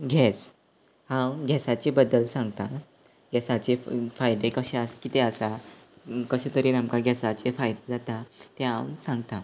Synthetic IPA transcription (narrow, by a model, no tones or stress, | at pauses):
ɡʱɛs | hãwɡʱɛsat͡ɕebəd̪ːəlsãŋɡt̪a | ɡɛsat͡ɕefajd̪ekəɕẽəskit̪eəsa | kəɕẽt̪əɾinamkaɡʱɛsat͡ɕefajd̪ed͡zat̪at̪eɦã̰wsãŋɡt̪a